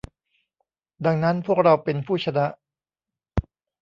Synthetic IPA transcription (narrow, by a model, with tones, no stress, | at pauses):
da˧ŋna˦˥npʰu˥˩ək̚ɾa˧wpe˧npʰuː˥˩t͡ɕʰa˧na˦˥ʔ